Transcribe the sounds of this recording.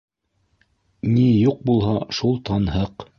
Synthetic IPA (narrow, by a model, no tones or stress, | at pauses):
nijuq̚bulˠɦɑʃulˠt̪ɑnhɤq